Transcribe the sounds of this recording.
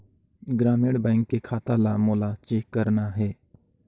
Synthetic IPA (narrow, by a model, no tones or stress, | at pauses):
ɡɾaːmeɽbɛ̃ːŋkːekʰaːt̪alamoːlat͡ʃeːkːəɾnaɦɛː